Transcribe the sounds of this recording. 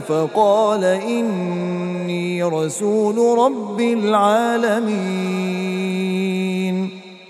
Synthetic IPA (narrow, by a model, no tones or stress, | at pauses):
fɑqɑːlaʔɪnː | iːɾˤɑsuːlɾˤɑbːɪlʕaːlami | n